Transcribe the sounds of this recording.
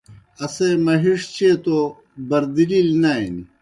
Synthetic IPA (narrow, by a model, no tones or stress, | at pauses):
ɐsemɐɦiʂt͡ɕʰeːt̪o | bɐɾd̪ililnain